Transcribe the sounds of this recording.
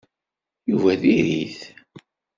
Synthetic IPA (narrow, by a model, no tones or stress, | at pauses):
juvæðiɾiθ